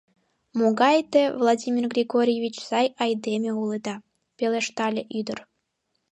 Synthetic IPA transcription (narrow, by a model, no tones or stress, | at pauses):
moɣɑjt̪evlˠadʲimʲirɡrʲiɡoɾʲjevʲit͡ɕsɑjɑjd̪emʲeuled̪ɑ | peleʃt̪ɑlʲeʔyd̪ər